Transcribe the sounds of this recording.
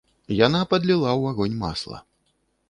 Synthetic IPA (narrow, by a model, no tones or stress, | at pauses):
janapɐd̪lʲilˠawaɣɔnʲma̰slˠɐ̰